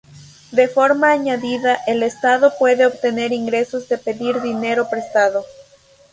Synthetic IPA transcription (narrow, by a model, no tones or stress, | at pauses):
d̪e̞fo̞ɾmaːɲaðiðaʔe̞le̞st̪aðo̞pwe̞ðe̞oβt̪e̞ne̞ɾiŋɡɾe̞so̞zðe̞pe̞ðiɾðine̞ɾo̞pɾe̞st̪aðo